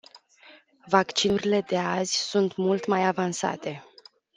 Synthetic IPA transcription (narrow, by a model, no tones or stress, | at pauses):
vakt͡ʃiɾile̞d̪e̞azʲsunt̪mult̪majavansa̰t̪e̞